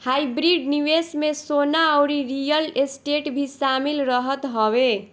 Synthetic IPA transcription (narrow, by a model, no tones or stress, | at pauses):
hajbɾiɖniwesmesonaəwɾiɾijəlesʈeʈbʱisamilɾʌɦət̪ɦɔwe